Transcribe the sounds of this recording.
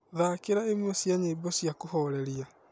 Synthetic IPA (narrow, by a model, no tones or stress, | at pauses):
ðaːkeɾaemosiaɲebɔsiakohɔɾɛɾia